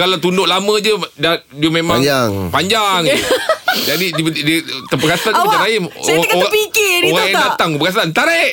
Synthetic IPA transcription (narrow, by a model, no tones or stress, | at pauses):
kalat̪undʊʔlamə̃d͡ʒəda | diəmemaŋaŋpaɲd͡ʒaŋ | d͡ʒadididət̪əpəkasat͡ʃaɾaimk̪pikɪioɣaŋjaŋdat̪aŋpəɡas̬ant̪aɾɛʔ